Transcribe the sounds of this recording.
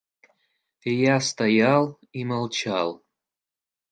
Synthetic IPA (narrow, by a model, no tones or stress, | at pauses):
ejast̪ajalˠ | iməlˠt͡ɕa̰lˠ